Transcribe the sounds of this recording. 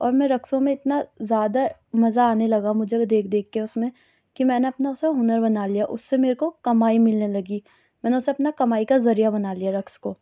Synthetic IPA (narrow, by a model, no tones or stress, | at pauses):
ɔːɾmɛ̃ɾɐksõmẽɪt̪nazjaːd̪amɐzaːnelɐɡamʊd͡ʒʱed̪eːk̚ʰd̪eːk̚ʰkeɛʊsmẽ | kimɛːneɐpnaʊseɦʊnəɾbɐnaːlijaʔʊsːemeːɾekokɐmaːimɪlnelɐɡiː | mɛːneʊseɐpnakɐmaːikazɐɾijabɐnaːlijaɾɐkskoː